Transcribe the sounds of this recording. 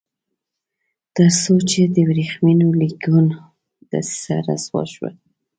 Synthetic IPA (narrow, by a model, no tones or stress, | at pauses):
t̪əɾsot͡ʃed̪əwɾixminoliɡun | d̪̥a̰ssaɾaswɑ̰ʃwa̰